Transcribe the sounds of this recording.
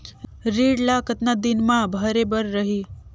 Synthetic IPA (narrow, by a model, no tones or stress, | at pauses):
ɾiːɽlakət̪nad̪inmãbʱəɾebəɾːəɦiː